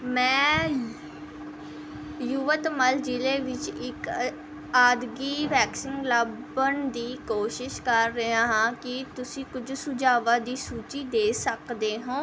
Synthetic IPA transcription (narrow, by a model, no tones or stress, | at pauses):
mɛ̃ː | juʋət̪məld͡ʒileːʋɪt͡ʃɪk | aːd̪ɡiːʋɛːksɪŋɡləb | əɳd̪iːkoːʃɪʃkəɾːəãːɦãːkɪt̪ʊsĩːkʊd͡ʒsʊd͡ʒaːʋaːd̪iːsuːt͡ʃiːd̪eːsəkd̪eːɦõː